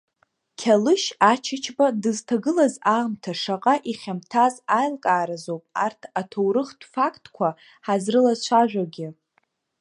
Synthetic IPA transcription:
kʲʰalɨʃat͡ʃʰɪt͡ʃʰbadɨztʰaɡɨlazaːmtʰaʂaqʼaʔiχʲamtʰazajlkʼaːɾazowpʼa̰rtʰatʰowɾɨχtʰʼfakʼtʼkʷʰa | ħazrɨlazt͡ʃʷʰaʒᶣʷaɡʲɪ

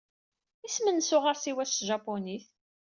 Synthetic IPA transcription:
ismənsʊʁaɾsiwæst̪ʒɑpːoniθ

